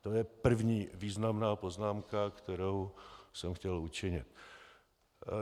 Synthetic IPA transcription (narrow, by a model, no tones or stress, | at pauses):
t̪o̞jɛpr̩vɲiːviːznamnaːpo̞znaːmkakt̪ɛɾowsɛmxcɛlut͡ʃɪɲɪt̪̚